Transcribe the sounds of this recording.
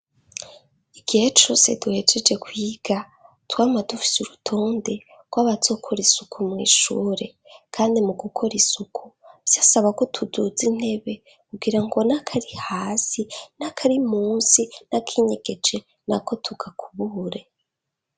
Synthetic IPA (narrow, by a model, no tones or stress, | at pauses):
iɡ̥ihet͡ʃo̞se̞̰duhe̞d͡ʒe̞d͡ʒe̞kwiːɡ̥a | twaːmadufi̥suɾutʰoːnde | ɡ̥waβazo̞ːkʰo̞ɾisukʰumŋḭːʃuːɾe̞ | kʰaːndimuɡukʰo̞ɾisukʰuvj̥aːsaβako̞tʰudud͡zin̥he̞βe̞ | kuɡiɾaŋɡo̞nakʰaɾihaːsinakʰaɾimuːnsinakʰiɲe̞ɡ̥e̞d͡ʒe̞ | nako̞tʰuɡakʰuβuɾe̞